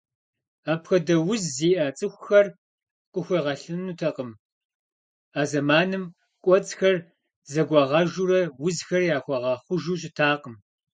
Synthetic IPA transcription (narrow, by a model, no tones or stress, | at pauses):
aːpxʷɐdɐwʊzːiːʔɐt͡sʼɨxʷxɐr | qʷʼʊxʷiʁɐɬɨnutʰɐqəm | aːzɐmaːnɨm | kʷʼɔt͡sʼxɐr | zɐɡʷɑʁɐʒuɾɐwʊzxɐrjaːxʷɐʁɑːχʷʊʒuːɕ̬ʼɪtʰaːqəm